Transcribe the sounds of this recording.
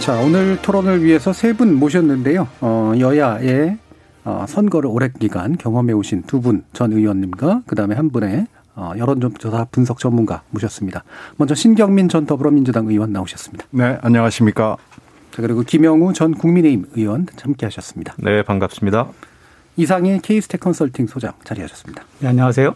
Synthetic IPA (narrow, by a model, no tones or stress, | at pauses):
t͡ɕaonɯɭtʰoɾonɯɭɥiɦe̞sʰʌsʰe̞bunmoɕ̬ʰʌnːɯnde̞joʌjʌjae̞ | ʌ̰sʰʌnɡʌɾɯɭoɾe̞k̚k͈iɡankjʌŋɦwʌme̞oɕʰintubunt͡ɕʌnɯiwʌnːimɡakɯdaɯme̞ɦhanbune̞ | ʌ̰jʌɾʌnd͡ʑojʌdapunsʰʌk̚t͡ɕʌmːunɡa̰moɕʰʌs͈ɯmɲidamʌnd͡ʑʌɕʰinɡjʌŋmind͡ʑʌntʌbɯɾʌmind͡ʑudaŋɯiwʌnːaoɕʰʌs͈ɯ̥mɲid̥ane̞aɲʌŋaɕʰimɲik͈a | t͡ɕakɯɾiɡokimjʌŋut͡ɕʌnkuŋmine̞imɯiwʌnt͡ɕahamk͈eɦaɕʰʌs͈ɯmɲidḁne̞paŋɡap̚s͈ɯmɲida | is̬ʰaŋe̞kʰeisʰɯ̥tʰekʰʌns͈ʰʌɭtʰiŋsʰod͡ʑa̰ŋt͡ɕaɾiɦaɕʰʌs͈ɯ̥mɲid̥ḁneaɲʌŋas̬ʰe̞jo